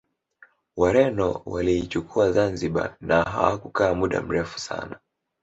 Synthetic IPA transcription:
waɾɛnɔ̰waliːt͡ʃukʰuazanziɓa̰naɦa̰wakukaːmuɗa̰m̩ɾɛfu̥sa̰na

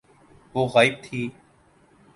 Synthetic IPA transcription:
ʋoːɣaːɪb̚t̪ʰiː

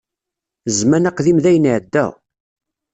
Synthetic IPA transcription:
zmænaqðimðæjənʕəd̪ːæ̰

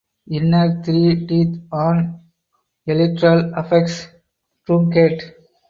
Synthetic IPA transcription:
ɪnːɐɾt̪ʰɾiːʈiːt̪ʰɔ̃ːn | elɪʈɾɐlɐfɛkʈs | ʈɾũŋkeʈ

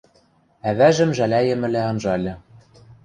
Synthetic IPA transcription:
æβæʒɘ̆mʒælæjɘ̆mɘ̆læɤnʒɑlʲɘ̆

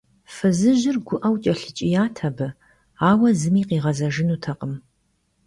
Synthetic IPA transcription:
fɨzɨʑɪrɡʷʊʔɐwt͡ʃʼɐɬɨt͡ʃʼɪjaːtʰɐbɨ | aːwɐzɨmiːqiːʁɐzɐʒɪnuːtʰɐqʼəm

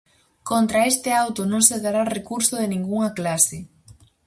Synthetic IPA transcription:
kont̪ɾaest̪ɪawt̪onõŋseðaɾarekuɾsʊð̞enĩŋɡuŋɐklasɪ

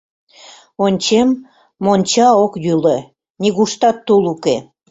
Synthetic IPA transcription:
onʲt͡ɕemː | onʲt͡ɕɑokjyle | nʲiɣuʃt̪ɑt̪ːoluke

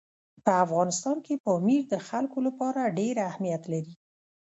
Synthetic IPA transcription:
pəafɣɑnɪst̪ɑnkepəmiɾd̪əxalkolapɑɾaɖeɾahmijat̪laɾi

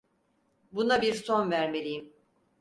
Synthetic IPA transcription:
bunabiɾso̞nvæɾme̞lʲijim

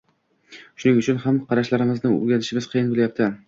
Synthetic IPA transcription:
ʃʊnɪŋʊt͡ʃʰʊnhamqʰɑɾaʃlaɾɪmɪznɪŋɵ̰ɾɡʲanɪʃɪmɪzqʰɨjɪnbɪljap̚t̪ʰɪ

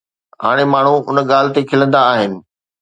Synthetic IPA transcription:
ɦa̰ːɽ̃emaːɳ̤uʊnəɠaːl̤ɪ̆t̪ekʰɪlə̃nd̪aːɦɪnɪ̆

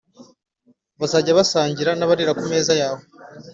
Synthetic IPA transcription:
βazaɟaβasaːɲɟiɾanaβaɾiɾakume̞ːzajaːho

